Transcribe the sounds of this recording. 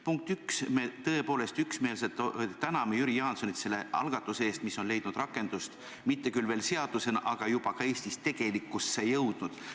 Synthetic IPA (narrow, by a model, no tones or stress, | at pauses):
puŋk̚t̪yksme̞t̪ɤ̞e̞po̞ːle̞st̪yksme̞ːls̬et̪ˑt̪ænɑmejyɾijɑːnso̞nit̪se̞lːe̞ɑ̰lɡ̥ɑt̪ːˑuseeːst̪miso̞nle̞jd̪nud̪rɑkːˑe̞nd̪̥ust̪ | mit̪ːe̞kylve̞ːlse̞ɑd̪̥use̞nɑʔɑɡ̥ɑjub̥ɑkɑe̞ːsʲt̪istt̪e̞ɡ̥e̞likːˑusːe̞jɤwd̪̥nud̪̥